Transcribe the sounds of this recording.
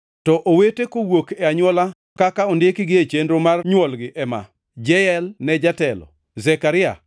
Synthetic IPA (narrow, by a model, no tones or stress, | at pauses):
tɔʔowetekowokɛaɲwɔla | kakaɔndɪkɪɡɪet͡ʃendɾomarɲwɔlɡɪʔɛma̰ | d͡ʒɛjɛlnɛd͡ʒatɛlɔ̰ | zɛkaɾɪa̰